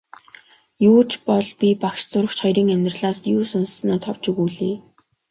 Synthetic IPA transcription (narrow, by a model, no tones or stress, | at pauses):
juːt͡ɕpɔɮpʲipakʃt͡sʊɾə̆kt͡ɕχɔjɾiːŋæmʲt̪rə̆ɮaːsjuːsʊnssnoːt̪ʰɔw̥t͡ɕɵɣuːɮiː